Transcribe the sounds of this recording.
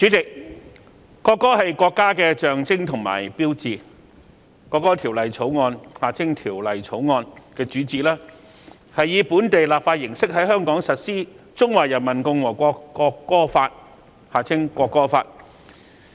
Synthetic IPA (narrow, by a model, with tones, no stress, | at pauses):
t͡ʃy˨˥t͡sɪ˨k̚ | kɔː˧kːɔː˥hɐ˨jkɔː˧kːaː˥kɛː˧t͡ʃœː˨ŋt͡sɪ˥ŋt̪ʰʊ˨˩ŋma̰ː˨˩jpiː˥wt͡siː˨˩ | kɔː˧kːɔː˥t̪ʰi˨˩wlɐ˨jt͡sʰo˨˥wŋɔː˧nhaː˨˩t͡sʰɪ˥ŋt̪ʰiː˨˩wlɐ˨˩jt͡sʰo˨˥wŋɔː˧nkɛː˧t͡ʃyː˨˥t͡siː˨˩laː˥ | hɐ˨jjiː˨˧puː˨˥nt̪e˨jlaː˨p̚faː˧t̚jɪ˨˩ŋsɪ˥k̚ɦɐ˨˥jɦœː˥ŋkɔː˨˥ŋsɐ˨t̚siː˥ | t͡sʊ˥ŋwaː˨jɐ˨˩nmɐ˨˩nkʊ˧ŋwɔː˨˩kʷɔː˧kːɔː˧kːɔː˥faː˧t̚ | haː˨t͡sʰɪ˥ŋkʷɔː˧kːɔː˥fa̰ː˧t̚